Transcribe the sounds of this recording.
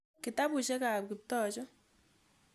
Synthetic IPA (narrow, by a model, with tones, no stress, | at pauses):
kɪ˨ta˦pʊ˨ʃɛ˦ka˨p̚kɪ˨p̚tɔ˦t͡ʃɔ˦